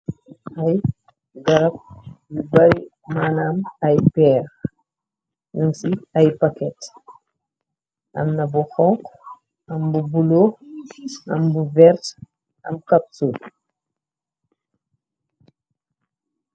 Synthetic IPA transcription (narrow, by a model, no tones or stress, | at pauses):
ɐj | ɡɐɾɐp̚jubɐɾi | maːnamɐjpɛːɾ | numsiɐjpakɛt | ʔɐ̰mnɐbuxɔŋk | ɐmbubulo | ɐmbuvɛɾt | ʔɐ̰mkɐp̚sul